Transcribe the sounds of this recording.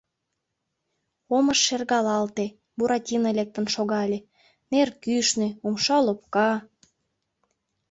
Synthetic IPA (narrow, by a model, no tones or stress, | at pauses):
oməʃːerɣɑlɑlt̪e | buɾɑtʲinəlek̚t̪ə̆nʃoɣɑlʲe | nerkyʃneumʃɑlop̚kɑ